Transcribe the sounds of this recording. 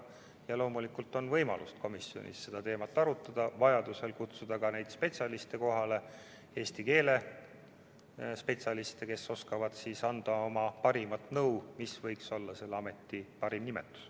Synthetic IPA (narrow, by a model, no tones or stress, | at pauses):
jɑlo̞ːmulikult̪ːˑo̞nvɤjmɑ̰lust̪̚ko̞misjo̞̰nʔḭsse̞d̪ɑt̪e̞ːmɑt̪ːˑɑɾut̪ːˑɑd̪̥ɑvɑjɑd̪̥use̞lkut̪sud̪̥ɑkɑne̞jd̪̥spe̞t̪sʲɑlist̪e̞ko̞ɦɑle̞ | e̞ːst̪ike̞ːle̞ | spe̞t̪sʲɑlist̪e̞ke̞so̞skɑvɑd̪̥siːsɑnd̪̥ɑo̞mɑpɑɾimɑt̪ˑnɤwmisvɤjkso̞lːɑse̞lːeɑme̞t̪ːˑipɑɾimnimḛt̪ːˑu̥s